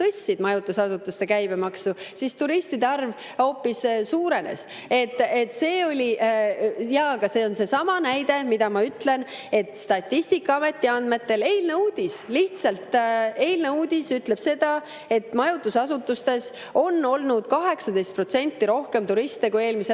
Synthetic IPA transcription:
t̪ɤsʲːid̪̥mɑjut̪ːˑusɑsut̪ːˑust̪e̞kæjb̥e̞mɑksusist̪uɾist̪id̪eɑrv | o̞ːpːissuːɾe̞ne̞̰s | e̞t̪ˑːet̪ːse̞ːo̞lʲiʔjɑɡɑse̞onse̞sɑmɑnæjd̪e̞mid̪ɑmɑyt̪le̞n | e̞t̪ˑst̪ɑt̪ʲːist̪ikːˑɑɑme̞t̪ʲːiɑnd̪me̞t̪ːe̞le̞jlne̞uːd̪̥ʲisliht̪sɑlt̪e̞jlne̞uːd̪̥ʲisyt̪le̞b̥se̞d̪ɑ | e̞t̪ːˑmɑjut̪ːˑusɑsut̪ːˑust̪e̞s | o̞nːo̞lnud̪̥̚kɑɦe̞ksɑd̪e̞jst̪̚pro̞t̪se̞nʲt̪ːiɾo̞hke̞mt̪uɾist̪ekue̞ːlmise

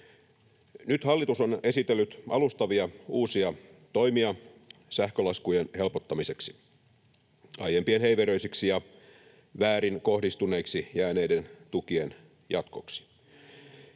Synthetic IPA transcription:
nyt̪hɑlːit̪usone̞sit̪elːyt̪ɑlust̪ɑʋiɑuːsiɑ | t̪o̞jmiɑsæhkølɑskujenhe̞lpot̪ːɑmise̞ksi̥ | ɑjempienɦeiʋeɾøisiksijɑ | ʋæːɾinko̞hdist̪une̞iksijæːnejdent̪ukie̞n | jɑt̪ko̞̰ksi̥

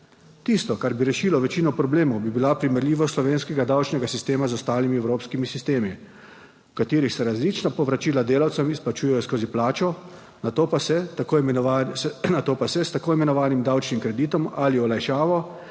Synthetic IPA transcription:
t̪iːst̪ɔkaɾbiɾɛʃiːlɔʋɛt͡ʃiːnɔpɾɔbleːmɔwbibilapɾimɛɾlʲiːʋɔslɔʋeːnskɛɡad̪awt͡ʃnɛɡasist̪eːmazɔst̪aːlimiɛwɾoːpskimisist̪eːmi | wkat̪eːɾixsɛɾazlit͡ʃnapɔʋɾat͡ʃiːlad̪eːlawt̪sɛmisplat͡ʃuːjɛjɔskoːziplaːt͡ʃɔ | nat̪opasɛ | nat̪oːpasɛst̪akoːimɛnɔʋaːnimd̪awt͡ʃnimkɾɛd̪iːt̪ɔmaliɔlajʃaːʋɔ

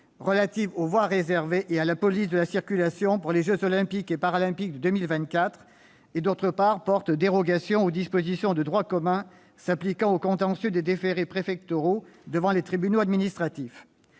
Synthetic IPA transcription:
ʁəlat̪ivovwaʁezɛʁveʔealapɔlis̬d̪əlasiʁkʲylasjɔ̃puʁleʒøzɔlɛ̃pikepaʁalɛ̃pik̚d̪əd̪ømilvɛ̃t̪̚kʲat̪χ | ed̪ot̪χəpaʁpɔʁt̪d̪eʁɔɡasjɔ̃od̪ispozisjɔ̃d̪əd̪ʁwakɔmɛ̃ | saplikɑ̃okɔ̃t̪ɑ̃sjød̪ed̪efeʁepχefɛk̚t̪ɔʁod̪əvɑ̃let̪χibynoad̪minist̪χat̪if

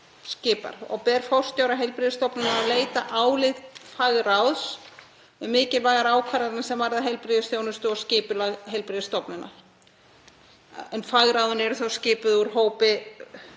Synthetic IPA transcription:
scɪːpa̰ɾ̥ɔ̰ɣpɛɾ̥fɔw̥st̪jowɾaɦɛjlpɾiðst̪ɔpnɪnaːleːjt̪aʔaːwlɪðfaɣɾawðs | ɛmɪːcɪlvaːɣaɾaːwkʰvaɾaɾɪnsɛmvaɾðaɦɛjlpɾiðɪsθjoːwnʏst̪ʏɔscɪːpʏlaɣɦɛjlpɾɪðɪst̪ɔpnɪnːa̰ | ɛnfaɣɾawðʏnɛɾʏθawscɪːpʏðuɾ̥ɦoːwpɪ

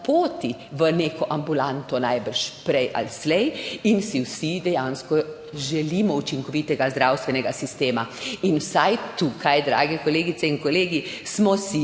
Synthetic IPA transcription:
poːt̪iʋəneːkɔʔambulant̪ɔnajbəɾʃpɾɛjʔa̰lslɛjinsiwsid̪ɛjanskɔ | ʒɛliːmɔut͡ʃiŋkɔʋit̪ɛɡazd̪ɾawst̪ʋɛnɛɡasist̪eːmainwsajt̪ukʰajd̪ɾa̰ːɡɛkɔleːɡit̪sɛiŋkɔleːɡismɔsi

